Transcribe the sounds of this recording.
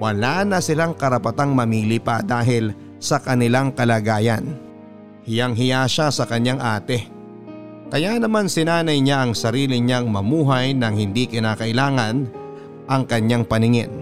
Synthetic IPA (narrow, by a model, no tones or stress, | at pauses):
wɐlaːnɐsɪlaŋkɐɾɐpɐt̪aŋmɐmiːlipɐd̪aːɦɪl | sɐkɐnɪlaŋkɐlaɡaːjɐn | hɪjaŋɦɪjaʃasɐkɐɲaŋʔaːt̪ɛ | kɐjanɐmansɪnaːnɐjɲaʔɐŋsɐɾiːlɪɲaŋmɐmuːɦajnɐŋhɪnd̪ikɪnaːkɐʔɪlaːŋɐn | ʔɐŋkɐɲːaŋpɐnɪŋɪn